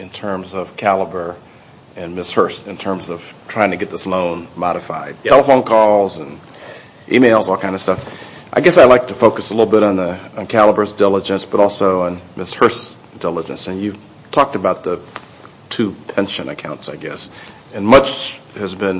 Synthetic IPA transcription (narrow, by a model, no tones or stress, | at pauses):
ɨ̃ntʰɜ̃˞mzʌv̥kʰælˠəbə˞ | ɨ̃nmɪshɜ˞stɨ̃ntʰɜ̃˞mzʌv̥tʰɹ̥aɪɪ̃ŋtʰɨɡɛt̪̚ðɪslõʊ̃nmɑɾɨfaɪd̚tʰɛlˠəfõʊ̃nkʰɔlˠzə̃n | ʔḭmeɪlˠzɔlˠkʰãɪ̃ndə̥stʌf | ʔaɪɡɛsaɪlaɪk̚tʰɨfoʊkɨsəlɪɾl̩ˠbɪɾn̩ðiə̃nkʰælˠəbə˞zdɪlˠəd͡ʒɨ̃nsb̥ʌɾɔlˠsoʊə̃nmɪshɜ˞s | d̥ɪlˠəd͡ʒɨ̰̃nsɨ̃njʉv̥ | tʰɔk̚tɨbaʊt̪̚ðɨ | tʰʉpʰɛ̃nʃɨ̃nɨ̰kʰãʊ̃ntsaɪɡɛ̰s | ɨ̃nmʌt͡ʃhɨzbɨ̃n